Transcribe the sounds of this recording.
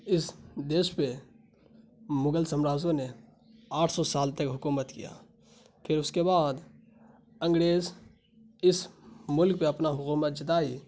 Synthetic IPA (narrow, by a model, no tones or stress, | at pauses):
ɪsd̪eːʃpe | mʊɡəlsəmɾaːzõne | aːʈʰsɔsaːlt̪ɐkɦʊkuːmət̪kḭja̰ː | pʰɪɾʊskebaːd̪ | ə̃ŋɡɾeːz | ɪsmʊlk̚peɐpnaɦʊkuːmət̪̚d͡ʒɪt̪aːi